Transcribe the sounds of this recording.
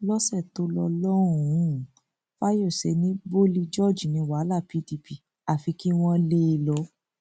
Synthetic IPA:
lɔ˦sɛ˦˨to˧˦lɔ˧lɔ˦ɾ̃ũ˨ũ˨˦ | fa˦jo˦˨se˨˦nĩ˦bo˦li˧d͡ʒɔ˦˨d͡ʒi˨nĩ˧wa˨˦la˦˨pi˦ti˧pi˨ | a˨fi˧ki˦w̃ɔ̃˦le˦˧lɔ˧˦

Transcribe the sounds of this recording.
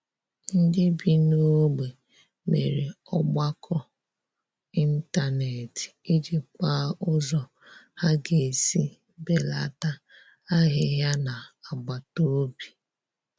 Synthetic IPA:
n̩˦dɪ˦bi˨no˦ɡ͡be˨ | mḛ˨ɾe˨ | ɔ˦ɡ͡ba˦kʰɔ˦ | i˦n̩˦ta˦ne˨ti˦d͡ʒi˨k͡pa˦ʊ˦zɔ˨ | ha˦ɡe˨si˦ | be˨la˨ta˦ | a˦ɦɪ˦ɦja˦na˨a˨ɡ͡ba˨to˦bi˨

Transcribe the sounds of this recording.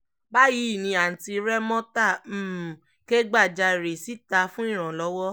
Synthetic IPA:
ba˦ji˨˦˨nĩ˧a˨n̩˨ti˧ɾɛ˦mɔ̃˦ta˦˨˦ | ke˦ɡ͡ba˦˨d͡ʒa˧˨ɾe˨si˨˦ta˧fũ˦ĩ˦˨ɾ̃ã˨lɔ˨˦wɔ˦

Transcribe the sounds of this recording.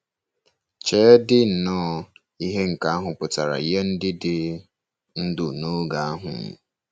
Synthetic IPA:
t͡ʃeː˨˦dɪ˦n̩˨nɔː˦ | i˦ɦe˦ŋ̩˨ka˨a˦ɦʊ˨pʊ˨ta˨ɾa̰˨i˦je˦n̩˦dɪ˦dɪ˨ | n̩˦dʊ˨no˦ɡa˨a˦ɦʊ̰˨m̩˨

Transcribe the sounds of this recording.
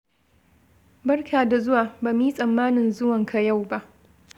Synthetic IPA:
bɐ˦rkʰaː˨da˨zʊ˦waː˨baː˨m˦iː˦sʼɐ˨mːaː˦nɪ˨nzʊ˦wɐ˨ŋkʰa˨ja˦˨wba˦ʔ

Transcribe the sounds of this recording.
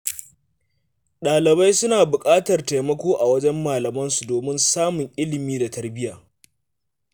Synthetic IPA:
ɗaː˨lɪ˨ba˦jsʊ˦naː˨bʊ˨kʼaː˦tɐ˨rta˨jmɐ˦kʷoː˦ʔa˨wɐ˦d͡ʒɛ˦mːaː˨lɐ˨mɐ˦nsu˨doː˨mɪ˦nsaː˦mʊ˨ŋʔɪ˦lɪ˨miː˦da˨tɐ˨rbɪ˦jaː˨

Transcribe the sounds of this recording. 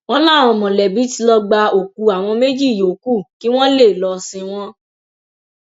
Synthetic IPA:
w̃ɔ̃˦lã˦˨w̃ɔ̃˧˨mɔ̃˨lɛ˨bi˨˦ti˧˦lɔ˧ɡ͡ba˧o˨k̚u˧a˨w̃ɔ̃˧me˦d͡ʒi˦˨jo˨˦ku˦˨ki˦w̃ɔ̃˦le˦˨lɔ˧sĩ˧w̃ɔ̃˦

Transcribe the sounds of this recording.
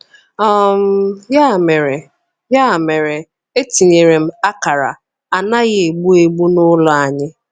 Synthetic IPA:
ɔ˦m̩˦ja˦˨me˨ɾe˨ | ja˦˨me˨ɾe˨ | e˦ti˨ɲe˨ɾe˨m̩˦a˦ka˨ɾa̰˨ | a˨na˦ɣɪ˨e˨ɡ͡bu˦e˨ɡ͡bu˦nʊ˦lɔ˨a˨ɲɪ˦

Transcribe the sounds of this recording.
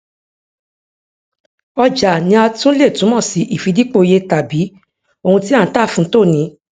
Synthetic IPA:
ɔ˧d͡ʒa˨nĩ˧a˧tũ˦le˦˨tũ˨˦mɔ̃˦˨si˨˦ʔi˦˨fi˧di˦k͡po˧je˧ta˨bi˨˦ | o˧hũ˧ti˦ã˦˨˦ta˦˨fũ˦to˦˨nĩ˨˦

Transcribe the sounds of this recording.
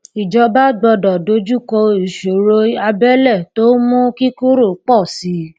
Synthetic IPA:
i˨d͡ʒɔ˧ba˦ɡ͡bɔ˧dɔ˨do˧d͡ʒu˦kɔ˧i˨ʃo˨ɾo˧a˧bɛ˦lɛ˦˨to˦mũ˦ki˦ko˦ɾo˦˨k͡pɔ˦˨si˨˦

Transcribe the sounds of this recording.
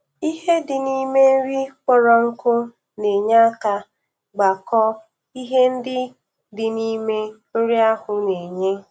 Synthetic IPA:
i˦ɦe˦dɪ˨ni˦me˦n̩˦ɾi˦kʷɔ˦ɾɔ˨ŋ̩˦kʊ˦ | ne˨ɲa˦ka˦ | ɡ͡ba˨kɔ˦ | i˦ɦe˦n̩˦dɪ˦ | dɪ˨ni˦me˦ | o˦ɾi˦a˦hʊ˨ne˨ɲe˦

